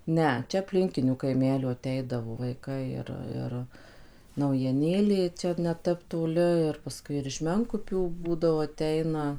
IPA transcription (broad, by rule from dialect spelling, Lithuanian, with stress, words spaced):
ˈnʲɛ ˈt͡ʃʲɛ ɐpʲˈlʲɪŋʲkʲɪnʲuː kɐɪˈmʲæːlʲuː ɐˈtʲɛɪdɐʋoː ʋɐɪˈkɐɪ ɪr ˈɪr nɐʊjiɛˈnʲeːlʲeː ˈt͡ʃʲɛ nʲɛˈtʲɛp toːˈlʲɪ ɪr pɐˈskʊɪ ɪr ɪʃ ˈmʲɛŋkʊpʲuː ˈbuːdɐʋoː ɐˈtʲɛɪnɐ